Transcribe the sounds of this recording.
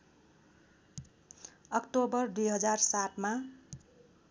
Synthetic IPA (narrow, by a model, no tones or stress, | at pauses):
ʌkʈobʌrd̪ujɦʌd͡zarsaʈma